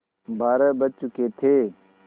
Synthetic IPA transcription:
bʱaːɾəbət͡ʃʊkʰeːt̪ʰeː

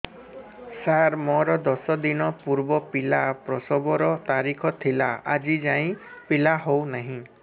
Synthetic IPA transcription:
saɾmɔɾɔd̪ɔsɔd̪inɔpuɾbɔpilapɾɔsɔbɔɾɔt̪aɾikʰɔt̪ʰilaad͡ʒid͡ʒaĩpilaɦownaɦĩ

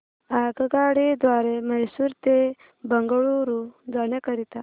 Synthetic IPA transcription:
aːkəɡɑːɽid̪waːɾemɐjsuɾt̪e | bɐŋɡɐɽuɾud̪aːnekɐɾit̪a

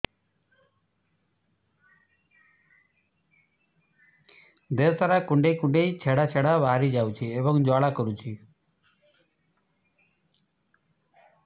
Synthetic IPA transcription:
d̪et̪ʰəɾakʊɳɖeikʊɳɖeit͡ʃʰeɽat͡ʃʰeɽaʋaːɾid͡ʒawt͡ʃʰiebɔŋd͡ʒaːɽakɔɾut͡ʃʰi

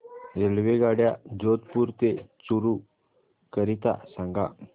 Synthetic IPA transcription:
ɾelʋeɡaɽjad͡ʑot̪puɾt̪et͡suɾu | kəɾit̪a̰sãŋɡa̰

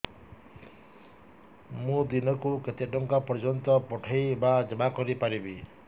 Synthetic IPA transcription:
mũd̪inɔkuket̪eʈɔŋkapɔɾd͡ʒɔnt̪ɔpɔʈʰajbad͡ʒɔmakɔɾipaɾibi

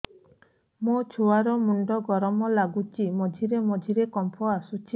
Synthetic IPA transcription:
mot͡ʃʰuaɾɔmuɳɖɔɡɔɾɔmɔlaɡut͡ʃimɔd͡ʒʱiɾemɔd͡ʒʱiɾekɔmpʰɔasut͡ʃʰi

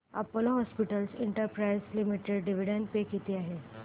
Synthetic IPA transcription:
a̰poloɦɔspiʈəlseɳʈəɾpɾajzlimiʈeɖɖiʋiɽənpekit̪iaɦe

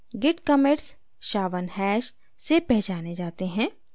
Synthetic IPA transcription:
ɡɪʈkɐmeɾs | ʃaːʋənɦɛːʃ | sepɛɦt͡ʃaːned͡ʒaːt̪eɦɛ̃ː

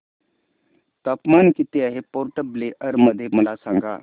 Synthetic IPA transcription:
t̪apmankit̪eaɦepɔɾʈəbleʔəɾməd̪ʱːjeməlasãŋɡa̰

